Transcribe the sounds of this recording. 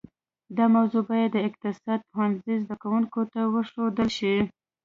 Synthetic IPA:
d̪ɑmawzobɑjad̪ːəɪq̚t̪ɪsɑd̪̚pʊwanzizd̪akawuŋkot̪awəʃod̪əlʃi

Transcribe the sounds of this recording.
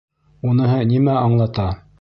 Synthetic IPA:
unɤ̆ɦɤnimæɑɴlˠɑt̪ɑ

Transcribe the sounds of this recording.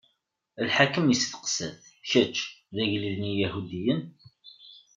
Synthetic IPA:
lħakəmjəsθə̥qə̥sə̰θçæt͡ʃːðæʝliðnijæhud̪ijən

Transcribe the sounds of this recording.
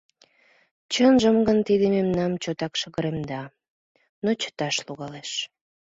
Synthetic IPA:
t͡ɕənʒəmɡənt̪id̪ememnɑmt͡ɕot̪ɑkʃəɣəɾemd̪ɑ | not͡ɕə̥t̪ɑʃluɣɑleʃ

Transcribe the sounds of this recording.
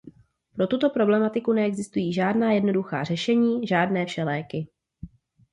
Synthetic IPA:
pɾo̞t̪ut̪o̞pɾo̞blɛmat̪ɪkunɛɛɡzɪst̪ujiːʒaːdnaːjɛdno̞duxa̰ːr̝ɛʃɛɲiːʒaːdnɛːfʃɛlɛːkɪ

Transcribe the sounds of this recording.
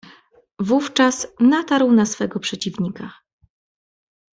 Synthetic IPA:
vuft͡ʂasnat̪aɾwnasfɛɡɔpʂɛt͡ɕivɲika

